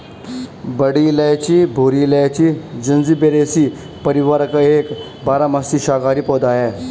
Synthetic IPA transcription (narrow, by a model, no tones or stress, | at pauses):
bəɽiləjt͡ɕiːbʱoɾiləjt͡ɕid͡ʑɐnd͡zibeɾesiː | pəɾiʋaɾəkek | baːɾamast̪iɕaːɡaːɾiːpɔd̪aje